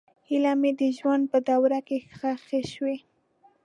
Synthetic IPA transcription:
hilamed̪əʒwand̪̚pəd̪awɾakexaxeʃwe

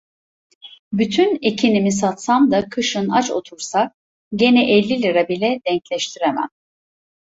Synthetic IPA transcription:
byt̪ʰynecʰinimis̬at̪samd̪akʰɯʃɯnat͡ʃo̞̰t̪ʰuɾsa | ɟe̞nɛʔɛlʲːilʲiɾabilʲɛd̪ɛɲclʲɛʃt̪ʰiɾemæ̰n

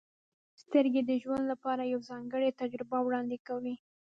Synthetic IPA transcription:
st̪əɾɡed̪əʒwand̪lapɑɾajawzɑŋɡəɽet̪ad͡ʒɾɪbawɽɑnd̪ɪkawi

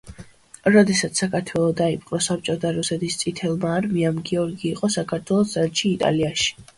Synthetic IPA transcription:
ɾɔd̪ɛsat̪ssːakʰaɾt̪ʰwɛlˠɔd̪aipʼqʼɾɔsap̚t͡ʃʼɔt̪ʰaɾusɛt̪ʰist̪sʼit̪ʰɛlˠmaːɾmiamɡiɔɾɡiːqʼɔsakʰaɾt̪ʰwɛlˠɔd̪zɛlt͡ʃʰiːt̪ʼa̰liaʃi̥

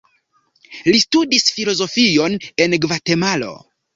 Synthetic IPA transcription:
listudisfilo̞zo̞fijo̞ne̞nɡvate̞malo̞̰

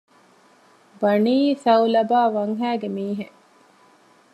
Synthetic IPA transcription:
bɐniːsɐwlɐbaːʋɐŋɦæːɡemiːɦe

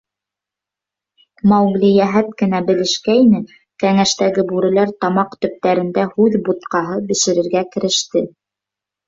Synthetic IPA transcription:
mɑwɡlijæɦæt̪kɘ̆n̪æbɘ̆lɘ̆ʃkæinɘ | kæŋæʃt̪æɡɘbʉɾɘ̆læɾt̪ɑmɑqt̪ɵ̆p̚t̪æɾɘ̆nd̪æhʉðbut̪qɑɦɤbɘ̆ʃɘ̆ɾɘ̆ɾɡækɘ̆ɾɘ̆ʃt̪ɘ

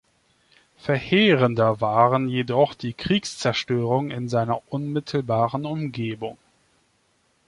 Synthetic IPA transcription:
fɛɐheːʁəndɐvaːʁənjedɔχd̥iːkʁ̥iːkst͡sɛɐʃtøːʁ̞ʊŋɪnzaɪnɐʔʊnmɪtʰl̩baːʁənʊmɡeːbʊŋ

